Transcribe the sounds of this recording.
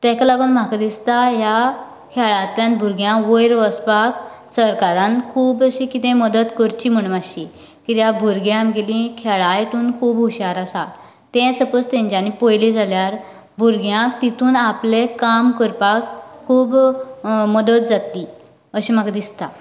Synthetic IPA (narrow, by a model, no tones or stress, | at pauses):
t̪ɛ̃kalaɡuːnm̤akad̪ist̪aja | kʰɛɭat̪ljãnbʱuɾɡjãʋəjɾʋəspak | səɾkaɾãnkʰuːbəɕikit̪ɛ̃məd̪ət̪kəɾt͡ɕim̤əɽmaɕi | kit̪jabʱuɾɡjãmɡelĩkʰɛɭajt̪uːnkʰuːbɦuɕaɾasat | t̪ɛ̃səpəst̪ɛ̃ɲd͡ʑanipəjlid͡zaljaɾ | bʱuɾɡjãkt̪it̪uːnaplekamkəɾpakkʰuːb | məd̪ət̪̚d͡zat̪i | əɕim̤akad̪ist̪a